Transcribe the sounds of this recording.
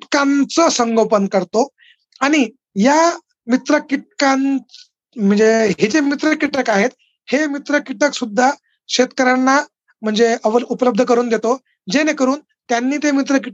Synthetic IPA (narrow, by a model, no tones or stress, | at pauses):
ʈkãnt͡səsəŋɡopənkəɾt̪o | aɽ̃i | ja | mit̪ɾəkiʈ̚kãn | m̤əɳd͡zeɦed͡zemit̪ɾəkiʈəkaɦet̪ | hemit̪ɾəkiʈəksud̪ʱːa | ɕet̪kəɾanːa | m̤əɳd͡zeəʋəɾupləb̚d̪ʱəkəɾuːnd̪et̪o | d͡zenekəɾuːn | t̪janːiːt̪emit̪ɾəkiʈ